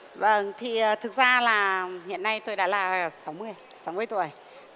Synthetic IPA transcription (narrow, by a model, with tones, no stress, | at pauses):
və˧˩ŋt̪ʰiː˨˩˨t̪ʰɨ˨˩k̚zaː˧laː˨˩hḭ˧˨ənːa˧jt̪o˧jɗa̰ː˧˥laː˨˩sa˨˦wmɨ˧əj | sa˨˦wmɨ˧əjt̪u˨˩əj